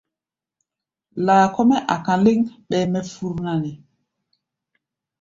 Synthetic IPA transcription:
laː˨ko˦mɛ˦ʔa˨kã˨li˦ŋɓɛ˨mɛ˦fu˦ɾna˦ni˨

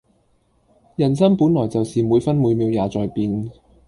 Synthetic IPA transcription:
jɐ˨˩nsɐ˥npuː˨˥nlɔː˨˩jt͡sɐ˨wsiː˨muː˨˧jfɐ˥nmuː˨˧jmiː˨˧wjaː˨˧t͡sɔː˨jpiː˧n

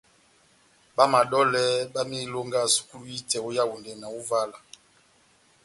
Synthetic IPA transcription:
ba˦ma˨ɗɔ˦lɛ˦ɓa˦mi˦lo˦ŋɡa˦˨su̥˨˦ku˦lu˦i˦tɛ˨o˦ja˦wu˨ndɛ˨na˨u˦va˦la˨

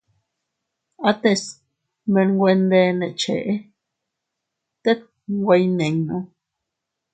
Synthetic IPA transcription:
a˦t̪e˧˨s | mẽ˧nɡʷwʷe˧nd̪e˧nẽ˨t͡ʃḛ˨ʔe˦ | t̪e˦k̚ | ɡʷe˧jnẽ˨ŋnõ˧˦

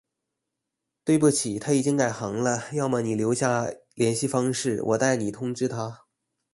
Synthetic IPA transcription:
t̪we˥˧ɪp̬u˥˩t͡ɕʰi˨˩t̪ʰa˥i˨˩t͡ɕi˥ŋka˨˩ɪxɑ˧˥ŋlə˧jɑ˥˩ʊma˧˩ni˨˩ljo˧˥ʊɕja˥˩ljɛ˧˥nɕi˥˧fɑ˥ŋʂɻ̩˥˩wʔɔ̰˨˩t̪a˥˩ɪni˨˩t̪ʰʊ˥ŋʈ͡ʂɻ̩˥t̪ʰa˥

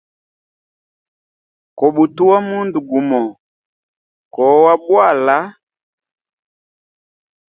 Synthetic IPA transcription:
kɔ˨ɓu˨tu˦wa˦mu˦ndu˨ɡu˨mɔ˨ | kɔ˨˦wa˦bwa˦˨la˨˦

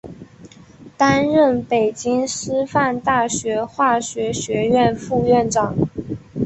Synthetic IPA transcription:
t̪a˥nɻə˥˩npe˨˩ɪt͡ɕi˥ŋʂɻ̩˥fa˥˧nt̪a˥˩ɕɥɛ˧˥xwa˥˩ɕɥɛ˧˥ɕɥɛ˧˥ɥɛ˥˧nfu˥˧ɥɛ˥˩nʈ͡ʂɑ˨˩˦ŋ

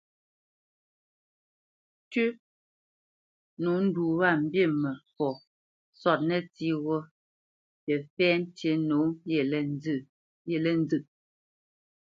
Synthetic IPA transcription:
tʉ˦ | no˨˦n̩˦du˨βa˦˨m̩˨bje˦˨mɛ˨fɔ˨ | sɔ˦˨t̚nɛ˦ti˦ɣɔ˦ | jɛ˨fɛː˦n̩˦tje˦no˨˦ɛ˨l | jɛ˨lɛ˦n˦d͡zɨ˨ʔ̚

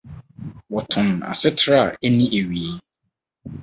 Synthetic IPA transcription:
wɔ˨tʰʊ̃˨n˨a̰˨sɪ˦tʰɾa˦˨e˦nĩ˦ʔe˨ɥi˨e˦

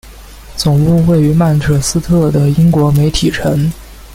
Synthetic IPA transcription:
t͡sʊ˨˩ŋpu˥˧we˥˩ɪy˧˥ma˥˩nʈ͡ʂ̪ʰɤ˨˩sɹ̩˥t̪ʰɤ˥˩d̪ə˩i˥ŋkwɔ˧˥me˧˥ɪt̪ʰi˨˩ʈ͡ʂʰə˧˥ŋ

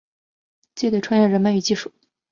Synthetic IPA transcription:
t͡ɕi˥˧t̪we˥˩ɪʈ͡ʂʰwa˥njɛ˥˩ɻə˥nmə˥ny˧˥t͡ɕi˥˧ʂu˥˩˦

